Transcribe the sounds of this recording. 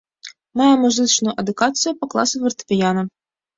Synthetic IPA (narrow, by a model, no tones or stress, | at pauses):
majɛmuzɨt͡ʂnʊjuʔɐd̪ukat̪sɨjupɐklˠa̰sɨvɐrt̪ɨ̥pʲijanɐ